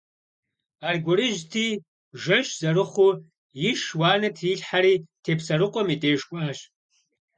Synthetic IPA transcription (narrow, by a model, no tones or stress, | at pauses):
arɡʷʊɾɨʒtʰiː | ʒɐʃzɐrɨχʷʊ | jɪʃwaːnɐtʰiːɬħaɾiːtʰeːpʰsɐɾɨqʷʼɔmitʼeːʃkʷʼaːɕ